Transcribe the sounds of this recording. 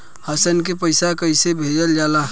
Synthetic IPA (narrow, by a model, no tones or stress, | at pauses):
həsənk̬epəɪsakəɪsebʱed͡ʒəld͡ʒaːla